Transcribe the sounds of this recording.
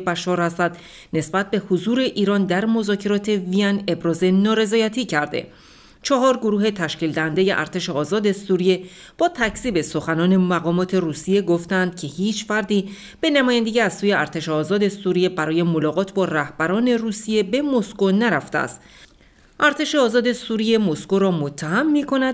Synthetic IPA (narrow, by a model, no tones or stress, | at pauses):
bæʃɒːɾhæsæd̪ | ne̞sbæt̪̚be̞hozuːɾe̞ʔiːɾɒːnd̪æɾmo̞zɒːcʰe̞ɾɒːt̪ʰe̞viæne̞bɾɒːze̞nɒːɾe̞zɒːjæt̪ʰiːcʰæɾd̪e̞̰ | t͡ʃʰɒɦɒːɾɡoɾuːɦe̞t̪ʰæʃciːld̪æhænd̪e̞je̞̰ʔæ̰ɾt̪ʰe̞ʃe̞ɒːzɒːd̪e̞suːɾije̞ | b̥ɒːt̪ʰæcʰsiːbe̞so̞xænɒːne̞mæɣɒːmɒːt̪ʰe̞ruːsije̞ɡo̞ft̪ænd̪̥̚cʰe̞hiːt͡ʃʰfæɾd̪iː | b̥e̞næmɒːjænd̪e̞jiæzsuːjeæɾt̪eʃeɒːzɒːd̪e̞suɾije̞bæɾɒːje̞mo̞lɒːɣɒːt̪ʰbɒːræhb̥æɾɒːne̞ruːsije̞be̞mo̞sko̞næɾæft̪ḛæ̰st̪ | ʔæɾt̪ʰe̞ʃeɒːzɒːd̪e̞suːɾije̞mo̞skoɾɒːmot̪ʰːæɦæmːiːkʰo̞næd̪̥